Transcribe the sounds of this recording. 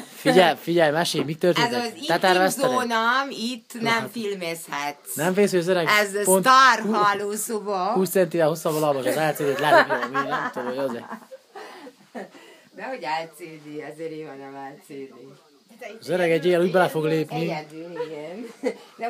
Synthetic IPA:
fiɟɛlfiɟɛlmɛʃeːjmit̪ːørt̪ezilɛt̪ɛrvɛst̪onɒmit̪ːnɛmfilmeshɛt̪ːnɛɱfeːsyjɒzøɾɛɡɛzpont̪ːruɦɒloːsobɒkuːst̪sɛnt̪ivɛlosːɒbɒlɒlmoʃɒzɛlt̪seːd̪eːt̪lɛmminɑt̪oːoɟoze | d̪ɛhoɟɛlt̪seːd̪eɛzeːɾeːɒnɛmɛlt̪seːd̪i | ɒzøɾɛɡɛɟːeːɛluːɟbɛlɛfo̞ɡleːpnid̪iɡɛnd̪ɛ

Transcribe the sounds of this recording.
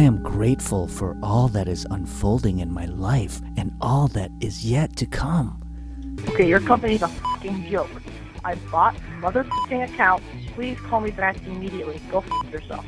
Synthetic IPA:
ɪɨ̃mɡɹeɪtfl̩ˠfə̰˞ʔɔlˠðɨɾɨzə̰̃nfoʊlˠdɪ̃ŋɨ̃nmaɪlaɪf | ɨ̃nʔɔlˠðɨɾɪzjɛtʰɨkʰʌ̃m | oʊkʰeɪjə˞kʰʌ̃mpɨnizəfʌkɪ̃ŋbjoʊk | ʔaɪbɔt̚mʌðə˞tʰɪkɪ̃ŋɨkʰãʊ̃ntpʰl̥iz̥kʰɔlˠmiðɨɾaɪstɨɨmiɾiɨtˡliɡoʊfjə˞sɛ̰lˠf

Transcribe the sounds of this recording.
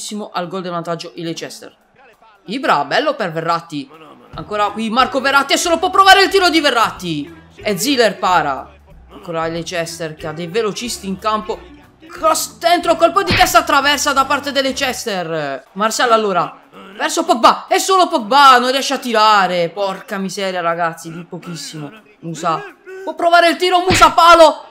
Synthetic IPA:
sːimoʔalɡɔld̪evant̪ad͡ʒːoʔilet͡ʃɛst̪ḛr | ibɾabɛlːoperverːat̪ːi | a̰ŋkoːɾakwimarkoverːat̪ːiɛsːoːlopwɔpːɾovaːɾeilt̪iːɾod̪iverːat̪ːied̪zilerpaːɾa̰ | aŋkoːɾailet͡ʃɛst̪erkead̪ːejvelot͡ʃist̪iːŋkampo | kɾɔsd̪ent̪ɾokolpɔd̪it̪ɛst̪at̪ːɾavɛrsad̪apart̪ed̪elːet͡ʃɛst̪ermarsjalalːoːɾa | vɛrsopɔk̚baɛsːoːlopɔk̚banonrjɛʃːat̪ːiɾaːɾepɔrkamizɛːɾjaɾaɡat̪sːid̪ipok̟isːimo | muːsapwɔpːɾovaːɾeilt̪iːɾomusapaːlo

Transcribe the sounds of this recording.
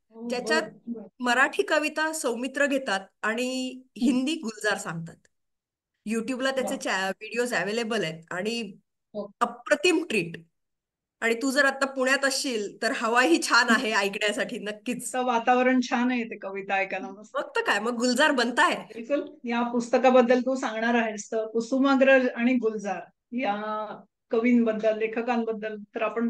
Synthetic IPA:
jat͡ɕjat̪̚məɾaʈʰiːkəʋit̪asəwmit̪ɾəɡʱet̪at̪̚aɽ̃iɦind̪iːɡʱuld͡zaɾsãŋɡ̚t̪at̪ | juʈjublat̪jat͡set͡ɕaʋiɽios̬æʋelebəlet̪̚aɽ̃i | əpɾət̪imʈɾiːʈ | aɽ̃it̪ud͡zəɾat̪ːapuɳ̃jat̪əɕiːlt̪əɾhəʋaɦiːt͡ɕʰanaɦeajkɳjasaʈʰiːnəkːiːt͡st̪əʋat̪aʋəɾəɳt͡ɕʰanaɦjet̪ekəʋit̪ajkalaməməɡ̚t̪əkajməɡːuld͡zaɾbənt̪aebilkuljapust̪əkabəd̪ːəlt̪ũːsãŋɡɳaɾaɦest̪əːkusumaɡɾəɾaɽ̃iɡuld͡zaɾ | ja | kəʋiːnbəd̪ːəlːekʰəkambəd̪ːəlt̪əɾapəɳ

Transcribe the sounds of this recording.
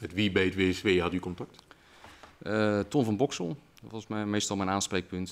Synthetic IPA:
ətʋibejtʋeːɛsʋeːɦɑtykɔntɑk̚t | ətɔnfɔnbɔksɔlˠʋɔmɛmejstɔlˠmɛjnaːnsprejk̚pønt

